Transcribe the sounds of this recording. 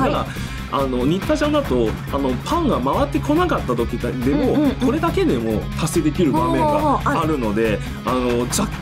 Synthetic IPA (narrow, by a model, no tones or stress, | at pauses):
aa | ano̞ɲ̟it̪ːaʑãnd̪at̪o̞ano̞pʰãŋɡamaβat̪ːe̞kʰo̞nakat̪ːat̪o̞kʲitd̪e̞mo̞ko̞ɾe̞d̪ake̞d̪e̞mo̞̰t̪ʰase̞d̪e̞kʲiɾɯ̟bameŋɡaaɾɯ̟no̞d̪e̞ | ano̞d͡ʑakː